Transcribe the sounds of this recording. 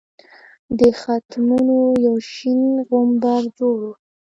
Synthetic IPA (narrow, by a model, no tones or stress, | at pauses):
d̪əxat̪munojawʃinɣombaɾd͡ʒoɽo